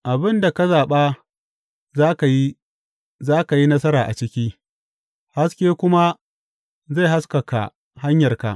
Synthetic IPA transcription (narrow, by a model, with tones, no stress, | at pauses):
ʔa˨bɪ˦nda˨ka˦zaː˨ɓaː˦ | aː˦ka˨ji˦ | zaː˦ka˨ji˦nɐ˦sɐ˦ɾaː˨ʔa̰˨t͡ʃɪ˦kʲiː˦ | ha˦skʲeː˦kʷʊ˦ma˦ | za˦˨jɦa˦skɐ˨ka̰˨ | ha˦ɲjɐ˨rka̰˨ʔ